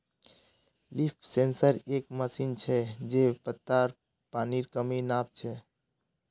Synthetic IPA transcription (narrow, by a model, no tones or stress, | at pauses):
lipʰsensəɾekməsint͡ʃʰɛd͡ʒepət̪ːaɾ | paniɾkəminap̚t͡ʃʰɛ